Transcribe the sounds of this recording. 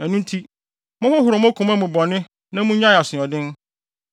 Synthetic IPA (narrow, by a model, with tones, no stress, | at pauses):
æ˨nũ˦n˦tʰi˦ | mʊ̃˦hɔ˦hʊ˨ɾɔ˨mʊ̃˦kʰʊ̃˨mã˦mũ˨bɔ˨nɪ̃˦ | nã˦mũ˦ɲã˦˨a˨sɪ̃˨ɔ˨dɪ̃˦n